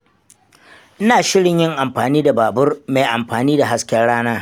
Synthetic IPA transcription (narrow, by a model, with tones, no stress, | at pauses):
ʔɪ˦naː˨ʃɪ˦ɽɪ˨ɲjɪ˦ŋʔa˨mɸaː˨niː˦da˨baː˨bʊ˦rma˨jʔa˨mɸaː˨niː˦da˨ɦa˦skʲɛ˦rɽaː˦naː˦